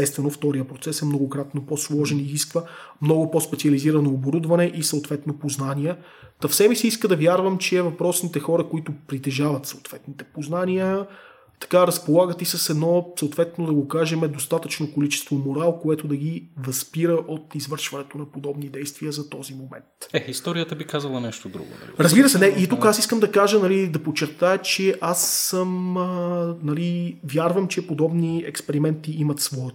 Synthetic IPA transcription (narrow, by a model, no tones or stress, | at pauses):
ɛst̪vɛnoft̪ɔɾijəpɾot̪sɛsɛmnoɡokɾat̪noposlˠɔʒɛniziskvəmnɔɡʊpɔspɛt̪siɐliziɾɐnoːboɾud̪vɐnɛʔisɐot̪vɛt̪nopoznaniɛ | t̪ɐfsɛmisiiskəd̪ɐvjaɾvəmt͡ʃɛːvɐpɾɔsnit̪ɛxɔɾəkoit̪ʊpɾit̪ɛʒavɐt̪sɐot̪vɛt̪nit̪ɛpoznaniə | t̪ɐ̥kaɾɐspolˠaɡət̪isɐsɛd̪nɔsəot̪vɛt̪nod̪ɐɡokaʒɛmɛd̪ost̪at̪ət͡ʃnokolit͡ʃɛ̥st̪vomoɾalˠkoɛt̪od̪ɐɡivɐspiɾəʔot̪izvɤɾʃvɐnɛt̪onɐpod̪ɔbnid̪ɛjst̪viəzɐt̪ɔzimomɛ̰nt̪ɛist̪ɔɾiət̪əbikazəlˠɐnɛʃt̪od̪ɾṵɡʊ̰nɐ̰iɾəzbiɾəsɛnɛʔit̪ukasiskəmd̪ɐkaʒənɐlid̪ɐpot͡ʃɛɾt̪ajət͡ʃɛʔasːəm | nɐlivjaɾvəmt͡ʃɛpod̪ɔbniɛkspɛɾimɛnt̪iimət̪svɔɛ